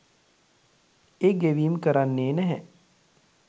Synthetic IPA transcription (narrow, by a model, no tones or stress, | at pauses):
eɡeʋiːmkəɾanːeːnɛɦɛ